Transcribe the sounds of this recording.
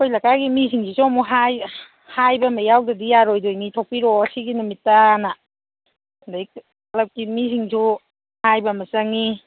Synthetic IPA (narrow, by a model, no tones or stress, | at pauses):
kʰojlakaɡimisiŋsisumuɦaj | hajbɐmajawdadijaɾojdojnitʰok̚piɾɔsiɡinumitːana | ndajk | alap̚kimisiŋsʰu | hajbɐmɐsaŋi